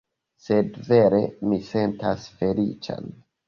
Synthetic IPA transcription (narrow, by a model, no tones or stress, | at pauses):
se̞dve̞ɾe̞mise̞ntasfe̞lḭt͡ʃa̰n